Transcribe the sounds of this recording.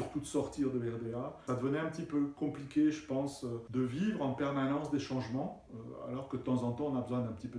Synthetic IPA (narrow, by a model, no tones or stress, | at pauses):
yʁt̪ud̪əsɔʁt̪iʁd̪əɛʁd̪easad̪əvənɛɛ̃pət̪ipøkɔ̃plikʲeʒəpɑ̃sød̪əvivʁɑ̃pɛʁmanɑ̃sd̪eʃɑ̃ʒmɑ̃ | øa̰lɔʁkəd̪ət̪ɑ̃zɑ̃t̪ɑ̃ɔ̃nabəzwɛ̃d̪ɛ̃pə̥t̪ipø